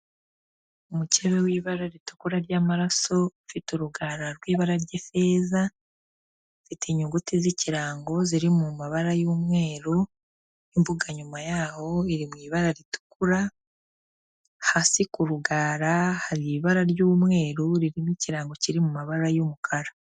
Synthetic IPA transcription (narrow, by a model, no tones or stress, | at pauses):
umuce̞βe̞wiːβaɾaɾitu̥kuɾaɾjaːmaɾaso̞fituɾuɡaːɾaɾwiːβaɾaɾjefe̞ːza | fiteɲuɡutiziciɾaːŋɡo̞ziɾimumaβaɾajoːmŋe̞ːɾu | imbuɡaɲumajaːho̞eɾimŋiːβaɾaɾitu̥kuɾa | hasikuɾuɡaːɾahaɾiiβaɾaɾjuːmwe̞ːɾuɾiɾimiciɾaːŋɡo̞ciɾimumaβaɾajomukʰaɾa